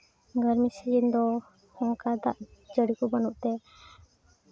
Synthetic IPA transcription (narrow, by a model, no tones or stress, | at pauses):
ɡəɾmisid͡ʒind̪ɔ | hɔ̃ŋkad̪a̰ʔd͡ʒəɽikubanuʔt̪ɛ